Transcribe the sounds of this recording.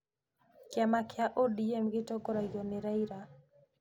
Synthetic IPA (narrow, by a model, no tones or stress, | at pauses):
kjamakjaʔodiemɡɪtɔkoɾaɡonɪɾaiɾa